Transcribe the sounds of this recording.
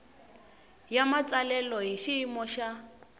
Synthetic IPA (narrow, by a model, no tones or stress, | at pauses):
jamat͡sʼalɛlɔɦiʃiːmɔʃa